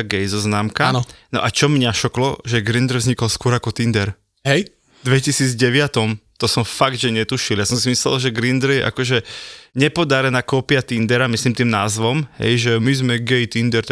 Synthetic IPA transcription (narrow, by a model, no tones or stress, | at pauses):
aɡɛjzɔznaːmkannɔ̰ʔat͡ʃɔmɲaʃɔklɔʒɛɡɾind̪ɾ̩vzɲikɔlskʊɔɾakɔt̪ind̪ɛɾ | ɦɛj | d̪ʋɛcisiːd͡zɟɛʋɪat̪ɔmt̪ɔsɔmfaɡ̚d̪ʒɛɲɛt̪uʃiljasɔmsimislɛ̰lʒɛɡɾind̪ɾ̩jɛʔa̰kɔʒɛɲɛpɔd̪aɾɛnaːkɔːpiat̪ind̪ɛɾamislimt̪iːmnaːzʋɔmɦɛ̰jʒɛmizmɛɡɛjt̪ind̪ɛɾt̪